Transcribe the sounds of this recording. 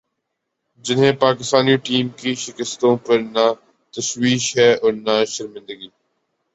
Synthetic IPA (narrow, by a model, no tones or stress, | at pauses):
d͡ʒɪnɦẽpaːkɪst̪aːniʈiːmkiʃɪkəst̪õpɐɾna | t̪ɐʃwiːʃɦɛːɔːɾnaʃɐɾmɪ̃nd̪əɡiː